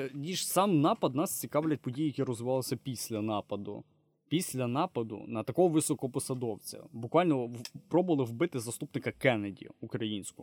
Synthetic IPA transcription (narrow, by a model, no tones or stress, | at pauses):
nʲiʃsɑmnɑpɐd̪nɑst͡sʲikɑʋlʲɐt̚ʲpɔdʲijijɐkʲiɾɔzʋɪʋɑlˠɪsʲɐpʲisʲlʲɐnɑpɐd̪ʊ̰ | pʲisʲlʲɐnɑpɐd̪ʊ̰nɐt̪ɐkɔɦɔʋɪsɔkɔpɔsɐd̪ɔwt͡sʲɐ̰bʊkʋɑlʲnɔpɾɔbʊʋɐlˠɪwbɪt̪ɪzɐst̪upnɪkɐkɛnɐdʲḭukɾɐjinʲsʲkʊ